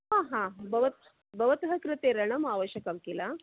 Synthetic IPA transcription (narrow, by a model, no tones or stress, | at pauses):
ɦãɦãbəʋət̪ | bəʋət̪ɦəkɾɨt̪eɾəɳ̃əmaʋəɕjəkamkela